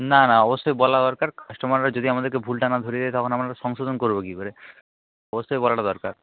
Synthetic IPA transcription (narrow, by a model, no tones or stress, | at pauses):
nanaɔbosːɔjbɔlad̪ɔɾkaɾkʰaʃʈomanɾad͡ʑod̪iamad̪eɾkebʱulʈanad̪ʱoɾied̪eet̪ɔkʰonamaɾaʃɔŋʃod̪onkoɾbokikoɾe | ɔbosːɔjbɔlaʈad̪ɔɾkaɾ